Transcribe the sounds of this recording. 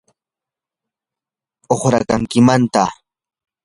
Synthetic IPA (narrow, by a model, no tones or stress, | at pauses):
oχɾa̰kaŋkɪmant̪a